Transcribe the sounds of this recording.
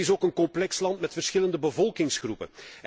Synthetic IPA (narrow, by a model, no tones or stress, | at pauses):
ɪsoːkənkɔmplɛkslɑntmɛtfərsxɪləndəbəvɔlˠkɪŋsχrupə̰n